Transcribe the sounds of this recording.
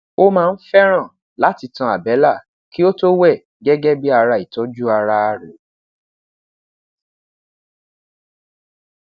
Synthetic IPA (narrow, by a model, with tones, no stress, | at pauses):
o˦mãː˦˧n̩˦fɛ˦ɾ̃ã˦˨ | la˨˦ti˧tã˧˨a˨bɛ˨˦la˦˨ | ki˦o˦to˦wɛ˦˨ | ɡɛ˦ɡɛ˦bi˦a˧ɾa˧i˨tɔ˦d͡ʒu˦a˧ɾa˧a˨ɾo˨